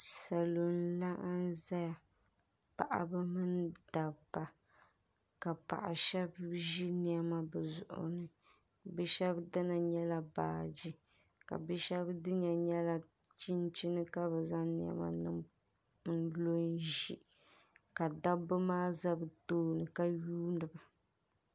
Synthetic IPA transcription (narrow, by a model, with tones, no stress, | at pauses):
sa˨lo˨n˦la˦ʔa˦nza˦ja˨ | pa˨ʔa̰˨bɛ˦mɨ˦nd̥a˨bba˨ | ka˨pa̰˨ʔa̰˨ʃɛ˦bʒi˦ni˦˨ɛ˦ma˦bɛ˨zʊ̰˨ʔʊ̰˨nɨ˨ | bɛ˦ʃɛ˦bdɨ˦na˨ɲɛ˦la˨ba̰ː˨d͡ʒi˦ | ka̰˨bɛ˦ʃɛ˦bdɨ˦ɲa˨ɲɛ˦la˨t͡ʃi˦nt͡ʃi˦nɨ˦ka˦bɛ˨za˦ŋni˦ɛ̰˦ma̰˦nɨ˦˨m | n̩˦lo˦nʒi˦ | ka˨da˦bɨ˦maː˦za˦bɨ˨toː˦nɨ˨ka˦juː˦nɨ˨ba˨